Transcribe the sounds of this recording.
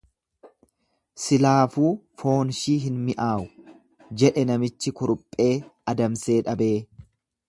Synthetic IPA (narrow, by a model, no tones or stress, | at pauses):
sɪlaːfuːfo̞ːnʃiːɦɪnmɪʔaːʔʊ̥ | d͡ʒɛᶑɛnɐmɪt͡ʃːɪkʊɾʊpʼːe̞ːɐd̪ɐmse̞ːᶑɐbe̞ː